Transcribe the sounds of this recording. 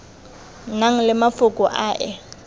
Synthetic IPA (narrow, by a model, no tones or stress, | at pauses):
naŋ̩lɪmafʊkʼʊʔaːʔɛ